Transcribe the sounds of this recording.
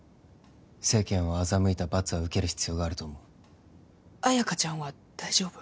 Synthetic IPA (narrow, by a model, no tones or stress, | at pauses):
se̞ːkẽɰ̃βaːzamɯ̟it̪abat͡sɨβaɯ̟ke̞ɾɯ̟çi̥t͡sɨjo̞ːɡaːɾɯ̟t̪o̞ːmoɯ | ajakat͡ɕãɰ̃βa | d̪̥aiʑo̞ːb̥ɯ̥